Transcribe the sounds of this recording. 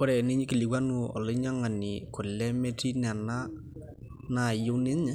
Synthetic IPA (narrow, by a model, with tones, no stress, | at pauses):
ɔ˦ɾɛ˨ni˦ɲi˦ki˨li˨ɡwa˦nu˦˨ʔɔ̰˨lɔ˦ɲa˦ŋa˨ni˨kʊ˨lɛ˦mɛ˦tʰi˦na˨na˦ | na˦˨jo˦nɪ˦ɲ˦